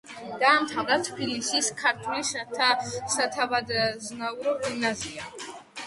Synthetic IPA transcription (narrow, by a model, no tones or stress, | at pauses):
d̪̥aːmt̪ʰavɾat̪ʰbilisiskʰaɾt̪ʰulisat̪ʰasat̪ʰavad̪znauɾɔɡimnazia